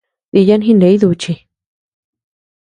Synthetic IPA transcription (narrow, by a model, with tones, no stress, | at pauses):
ði˧ja˦nɦĩ˦ne˨˦i˦ðu˧t͡ʃi˧